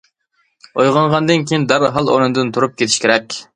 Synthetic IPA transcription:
ojʁɑɴʁɑnd̪ɨnkʲʰijind̪æɾɦɑlˠo̰nɨnd̪ɨnt̪ʰuɾup̚kʲet̪ʰɪ̥ʃkʲeɾɛkʲ

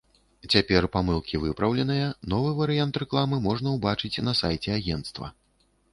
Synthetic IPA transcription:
t͡sʲapʲɛrpamɨlˠkʲivɨpɾɐwlʲɛnɨjɐnɔvɨvɐɾɨjant̪rɛklˠamɨmɔʐnɐwbat͡ʂɨt͡sʲnɐsajt͡sʲɛaɣʲɛnt̪st̪vɐ̰

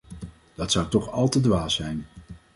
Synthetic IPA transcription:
d̥ɑtsʌwtɔχɑlˠtədʋaːsɛjn

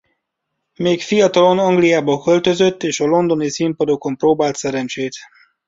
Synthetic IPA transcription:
meːkfijɒt̪ɒlo̞nɒŋɡlijaːbɒkø̞lt̪ø̞zø̞t̪ːeːʃɒlo̞nd̪o̞nisimpɒd̪o̞ko̞mproːbaːlt̪sɛɾɛnt͡ʃeːt̪

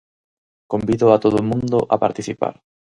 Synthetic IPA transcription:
kombiðʊat̪oðʊmũnd̪ʊʔapaɾt̪iθipa̰ɾ

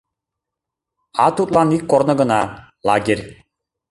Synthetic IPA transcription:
at̪ut̪ʼlˠanikːɔɾnəɡənalˠaɡʲeɾʲ

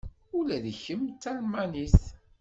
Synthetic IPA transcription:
ʊlæðçəmt͡s̪ːælmaniθ

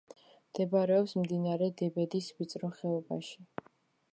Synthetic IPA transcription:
md̪̥ɛbaɾɛɔpsmd̪inaɾɛd̪ɛbɛd̪isvit̪sʼɾɔχɛɔba̰ʃi

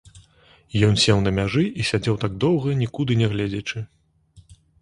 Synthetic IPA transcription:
jɔnsʲɛwnɐmʲaʐɨʔisʲad͡zʲɛwt̪aɡ̚d̪ɔwɣɐnʲikud̪ɨnʲɛɣlʲɛd͡zʲɛt͡ʂɨ

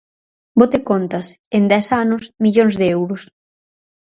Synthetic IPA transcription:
bot̪ɪkont̪ɐs | end̪ɛsanʊsmiʎoŋzðeɛwɾʊs

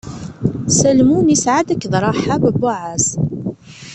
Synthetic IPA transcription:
sælmunisʕad̪ækːðɾˤɑħabəbːʊʕaz

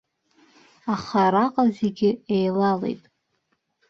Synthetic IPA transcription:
aχaɾaqʼazeɡʲɪejlalḛjtʼ

